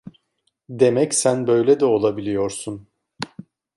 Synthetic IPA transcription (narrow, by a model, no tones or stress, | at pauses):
d̪e̞mɛcsænbø̞jlʲɛd̪ɛo̞lˠabilʲijo̞ɾsun